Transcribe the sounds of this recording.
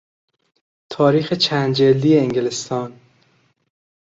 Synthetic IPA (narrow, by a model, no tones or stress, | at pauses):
t̪ʰɒːɾiːxet͡ʃʰænd̪d͡ʒeld̪ijeːŋɡelest̪ʰɒːn